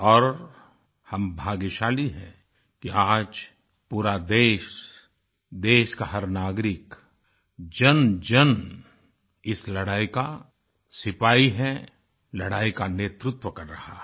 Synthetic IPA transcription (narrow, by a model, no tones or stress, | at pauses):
ɔːɾ | hɐmbʱaːɡɪʃaːliɦɛ̃ | kiaːd͡ʒ | puːɾad̪eːʃ | d̪eːʃkaɦɐɾnaːɡɾɪk | d͡ʒɐnd͡ʒɐn | ɪslɐɽaːika | sɪpaːiɦɛ | lɐɽaːikaneːt̪ɾʊt̪wəkɐɾːɐha̰